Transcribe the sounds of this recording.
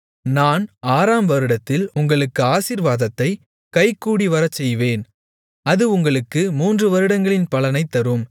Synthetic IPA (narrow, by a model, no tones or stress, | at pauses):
naːnaːɾaːmʋɐɾɯɽɐt̪ːɪlʊŋɡɐɭɯkːɯaːsiːɾʋaːðɐt̪ːɐɪ | kɐɪkːuːɽiʋɐɾɐt͡ʃːɛjʋeːn | ɐðɯʊŋɡɐɭɯkːɯmuːndrɯʋɐɾɯɽɐŋɡɐɭɪnpɐɭɐnɐɪt̪ːɐɾɯm